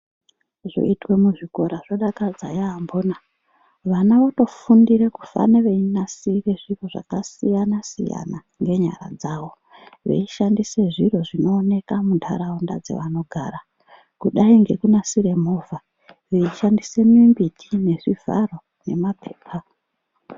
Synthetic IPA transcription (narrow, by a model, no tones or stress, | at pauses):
ʐo̞̰itwe̞muʐiko̞ɾaʐoɗakad͡za̰jaːmboːna | ʋanaʋoto̞fundiɾekufa̰neʋeinasire̞ʐiro̞ʐa̰kasijanasḭja̰na | ŋɡe̞ɲa̰ɾa̰d͡zaːʋo̞ | ʋe̞̰iʃandise̞ʐiroʐino̞ːne̞kamundʰa̰ɾaonda̰d͡ze̞̰ʋano̞ɡʱaːɾa | kuɗaiŋɡe̞kunasire̞mo̞va | ʋeiʃandise̞mimbitʰine̞ʐivʱa̰ro̞ | ne̞̰mapʰeːpʰa